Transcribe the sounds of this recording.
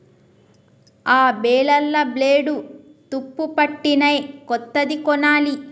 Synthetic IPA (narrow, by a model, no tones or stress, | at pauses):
aːbɛːɭɐlːɐbleːɖu | t̪upːupɐʈːinɐjkɔt̪ːɐd̪ikɔnaːli